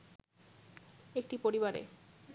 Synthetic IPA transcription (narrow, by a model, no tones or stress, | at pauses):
ekʈipoɾiβaɾḛ